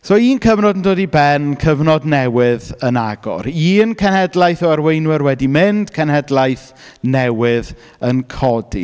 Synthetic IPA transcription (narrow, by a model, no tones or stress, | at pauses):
soːiːnkʰəvnɔdəndoːdibɛnkʰəvnɔdnɛwɪðənaɡɔ̰ɾiːnkʰɛnhɛdlˠajθɔərwejnwɪɾwɛdimɪnd̥kʰɛnhɛdlˠajθ | nɛwɪð | ənkʰɔdḭ